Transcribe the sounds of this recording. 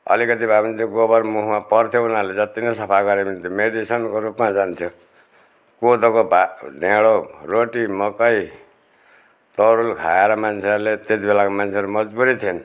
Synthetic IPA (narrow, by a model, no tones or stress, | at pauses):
ʌ̰likʌt̪ibʱamint̪ʰjoɡobʌrmuɦumapʌrt̪ʰjounaɾled͡zʌt̪inʌsʌpʰaɡʌɾemint̪ʰjomeɖisʌnkoɾupmad͡zant̪ʰjo | kod̪okobaɖeɽoroʈimʌkʌj | t̪ʌɾulkʰaeɾʌmant͡sʰeʌɾlet̪et̪ibelakomant͡sʰeʌɾumʌd͡zbuɾit̪ʰien